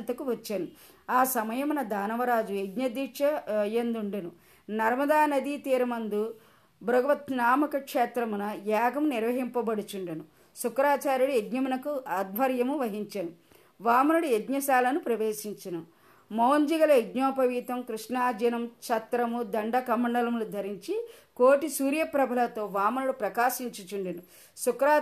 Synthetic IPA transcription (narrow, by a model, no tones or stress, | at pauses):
nt̪ɐkuʋɐt͡ʃːɐnu | aːsɐmɐjɐmnɐd̪aːnɐʋɐɾaːd͡ʒueɡɲɐd̪iʂɐjend̪uɳɖɐnu | nɐɾmɐd̪aːnɐd̪iːt̪iːɾɐmɐnd̪u | bɾɐɡɐʋɐt̪naːmɐkɐkʂɛːt̪ɾɐmunɐjaːɡɐmniɾʋɐɦimpɐbɐɽut͡ʃuɳɖɐnu | sukɾaːt͡ʃaːɾuɽieɡɲɐmunɐkuɐd̪̚ʱbʱɐɾjɐmuʋɐɦiɲt͡ʃɐnu | ʋaːmɐnuɽueɡɲɐʃaːlɐnupɾɐʋeːʃiɲt͡ʃɐnu | mɐwɲd͡ʒiɡɐlɐeɡɲɔːpɐʋiːt̪ɐmkɾuʂnaːd͡ʒɐnɐmt͡ʃɐt̪ɾɐmud̪ɐɳɖɐkɐmɐɳɖɐlɐmlud̪ʱɐɾiɲt͡ʃikoːʈisuːɾjɐpɾɐbʱɐlɐt̪o̞ːʋaːmɐnuɽupɾɐkaːʃiɲt͡ʃut͡ʃuɳɖinu | sukɾaː